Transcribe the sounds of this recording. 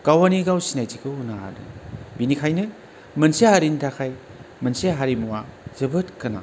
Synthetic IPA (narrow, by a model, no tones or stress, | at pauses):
kawaniɡawsinajtikʰɯunaa̰dɯ̰binikʰajnɯ | mɐnsehaɾintʰakʰaj | mɐnseɦaɾimuwaz̥ɯbɯtkɯna̰